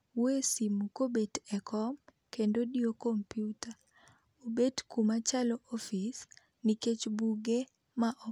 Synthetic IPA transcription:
wesimukobedɛkʰɔm | kendodiokompjuta | obedkumat͡ʃalɔʔofis | niket͡ʃbuɡe | maʔɔ

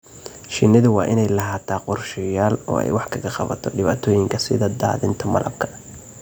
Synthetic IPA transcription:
ʃɪnːɪðʊwɑːʔɪnɛjlɐɦaːt̪ʰaːqʊrʃɪjaːlɔ̰ːɛ̰jwɑħkʰɐɣɐqɑ̰βɐ̰t̪ʰɔɖɪβa̰ːt̪ʰɔːjɪŋkʰɐsɪðɐd̪a̰ːðɪnt̪ʰɐmɐ̰lʔɐ̰b̚kʰɐ̥

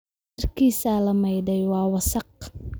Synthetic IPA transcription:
rkʰiːsalɐmɐjdɛjwɑːwɐsɑq

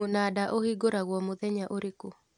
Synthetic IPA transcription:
onadaʔohiɡoɾaɣwɔmoðɛɲaʔoɾeko

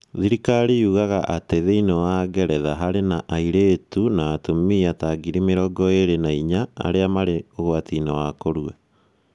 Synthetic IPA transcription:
ðiɾikaɾiuɣaɣaʔateðeinɔwaɡɛɾɛðaɦaɾenaʔaiɾeːtunaːtomiataɡiɾimeɾɔɡɔeɾenaiɲaa̰ɾeamaɾeoɣwatinɔwakoɾwa

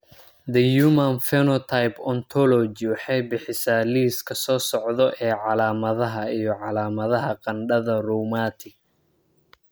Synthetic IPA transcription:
d̪ɐjuːmɐnfɛnɔt̪ʰajpɔnt̪ʰɔlɔd͡ʒɪwɑħɑjbɪħɪsaːliːskʰɐsɔːsɔʕðɔʔɛːʕɑlaːmɐðɐɦɐijɔʕɑlaːmɐðɐɦɐqɑnɖɐðɐrɔmaːt̪ʰɪɡ

